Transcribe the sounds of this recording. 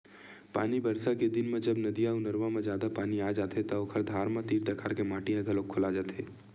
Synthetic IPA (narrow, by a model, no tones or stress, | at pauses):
pa̰ːnibɐɾsaked̪ɪnmẽd͡ʒɐbnɐd̪ijãʊnɐɾʋãmẽd͡ʒjaːd̪apaːniaːd͡ʒaːt̪et̪ɐokʰəɾd̪ʱaːɾmãt̪iːɾd̪ɐkʰaːɾkemaːʈijãɡɐlokʰːʊlad͡ʒaːt̪ʰeː